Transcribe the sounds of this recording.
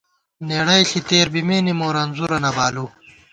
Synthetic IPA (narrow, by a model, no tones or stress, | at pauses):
neɽɐjɬit̪eːɾbimeːnimoːɾaːnzuɾɐnɐbaːlu